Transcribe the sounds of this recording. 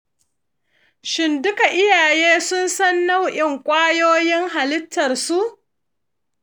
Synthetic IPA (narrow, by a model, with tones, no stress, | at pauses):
ʃɪ˨ndʊ˦ka˨ʔɪ˦jaː˨jeː˦sʊ˦nsɐ˦nːa˦wʔɪ˨ŋkʷʼaː˦joː˦jɪ˦ŋɦa˨lɪ˦tʰːɐ˨rsu˦ʔ